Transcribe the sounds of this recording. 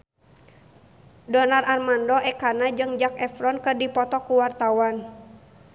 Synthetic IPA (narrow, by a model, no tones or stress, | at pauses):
dɔnararmandɔɛkanad͡ʒɨŋd͡ʒakɛfɾɔnkɨrdipɔt̪ɔkuwart̪awan